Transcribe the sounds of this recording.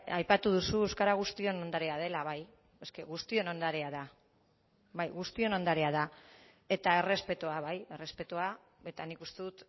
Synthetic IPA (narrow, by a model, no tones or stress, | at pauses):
ajpat̪uð̞usuewskaɾaɣ̞ust̪io̞no̞nd̪aɾeað̞e̞laβ̞aj | eske̞ɣust̪io̞no̞nd̪aɾeaða | βajɣust̪io̞no̞nd̪aɾeaða | e̞t̪ae̞re̞spe̞t̪oaβaje̞re̞spe̞t̪oa | e̞t̪anikust̪e̞ðut̪